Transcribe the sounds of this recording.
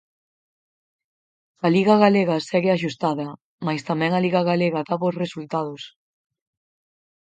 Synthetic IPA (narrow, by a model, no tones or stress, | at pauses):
ɐliɣɐɣaleɣɐsɛɣɪaʃ̬ust̪aðɐ | majst̪amɛ̃ŋɐliɣaɣaleɣɐðaβosresult̪að̞ʊs